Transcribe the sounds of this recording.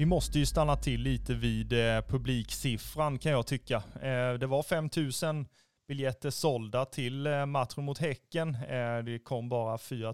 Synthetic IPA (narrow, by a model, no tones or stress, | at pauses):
vɪmɔst̪əjɵst̪anːat̪ʰɪlːiːt̪əviːd̪pʰɵbliːksɪfɾankʰanjɑːɡt̪ʰʏkːad̪ɛvaɾfɛmːt̪ʰʉ̟ːsən | b̥ɪljɛt̪ːəʂɔld̪at̪ʰɪlmat̪ɾʊmʊt̪hɛkːənd̪ɛkʰɔmːbɑːɾafyːɾa